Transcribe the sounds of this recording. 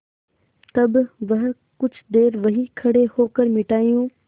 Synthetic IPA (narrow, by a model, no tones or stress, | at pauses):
t̪ɐbʋɐɦ | kʊd͡ʑʱʰd̪eːɾʋɐɦikʰɐɽehoːkəɾmɪʈaːijũː